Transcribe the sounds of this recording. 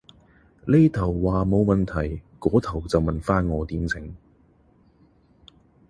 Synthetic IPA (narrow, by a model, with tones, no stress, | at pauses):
le˥jt̪ʰɐ˨˩wːaː˨mo˨˧wmɐ˨nt̪ʰɐ˨˩jkɔː˨˥t̪ʰɐ˨˩wt͡sɐ˨wmɐ˨nfaː˥nŋɔː˨˧t̪iː˨˥mt͡sʰɪ˨˥ŋ